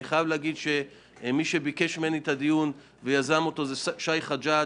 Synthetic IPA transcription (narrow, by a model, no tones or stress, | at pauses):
iχajavleaɡid̪ʃe̞ | miʃebike̞ʃmeenet̪ad̪ijun | vejazamo̞t̪o̞zeʃajχad͡ʒa